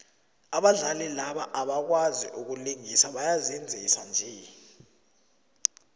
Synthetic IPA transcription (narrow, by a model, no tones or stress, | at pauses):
aɓaɮalɛlaɓaʔaɓak̬wazḭʔuk̬uliŋisaɓajazind͡zʱesand͡ʒʱɛ